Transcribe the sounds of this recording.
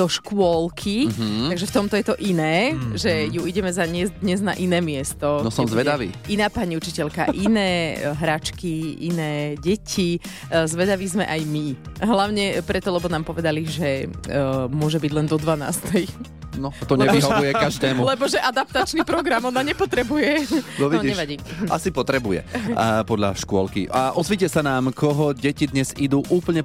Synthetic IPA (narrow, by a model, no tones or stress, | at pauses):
d̪̥ɔʃkʊɔlkʰiaɡʒɛft̪ɔmt̪ɔjɛt̪ɔʔinɛːʒɛjuiɟɛmɛzaɲɪɛzd̪ɲɛzna̰ʔinɛːmɪɛst̪ɔnɔsɔmzʋɛd̪aʋḭːinaːpaɲiut͡ʃicɛʎka̰ʔinɛːɦɾat͡ʃkiʔḭnɛːɟɛcʰi | zʋɛd̪aʋizmɛ̰ʔajmiɦlaʊɲɛpɾɛt̪ɔlɛbɔnaːmpɔʋɛd̪aliʒɛ | mʊɔʒɛbiɟlɛnd̪ɔd̪ʋana̰ːst̪ɛj | nɔt̪ɔɲɛiɦɔʋujɛkaʒd̪ɛːmulɛbɔʒɛʔad̪ap̚t̪at͡ʃnipɾɔɡɾamɔnːaɲɛpɔt̪ɾɛbujɛnɔʋiɲiɛʋaɟiːa̰sipɔt̪ɾɛbujɛ̰pɔd̪ʎa̰ʃkʊɔlkḭaʔɔzʋiːcɛsanaːmkʰɔɦɔɟɛcid̪ɲɛzid̪uːʔuːpl̩ɲɛ